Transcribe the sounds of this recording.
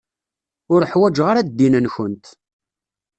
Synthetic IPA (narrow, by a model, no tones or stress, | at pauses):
ʊɾəħwæd͡ʒʁaɾad̪d̪ːinənçənt̪